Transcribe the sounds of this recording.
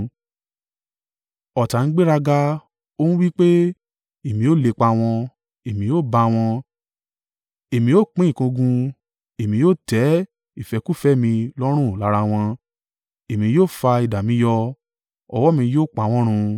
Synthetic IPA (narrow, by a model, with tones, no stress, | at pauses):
ɔ˨ta˨n̩˦ɡ͡be˦ɾa˧ɡa˧ | o˦nũ˦wi˦k͡pe˦ | e˨mĩ˧˦o˦le˧˨k͡pa˧w̃ɔ̃˧ | e˨mĩ˧joː˦˨ba˧w̃ɔ̃˧ | e˨mĩ˧joː˦˨k͡pĩ˦˨kũ˧ɡũ˧ | e˨mĩ˨˧joː˦˨tɛ˨˦ | i˦˨fɛ˨˧ku˦fɛ˦mĩ˧lɔ˦ɾ̃ũ˦˨la˨˦ɾa˧w̃ɔ̃˧ | e˨mĩ˧joː˦˨fa˧i˨da˨mĩ˨˦jɔ˧ | ɔ̰˧wɔ˦mĩ˧joː˦˨k͡pa˨˧w̃ɔ̃˦ɾ̃ũ˧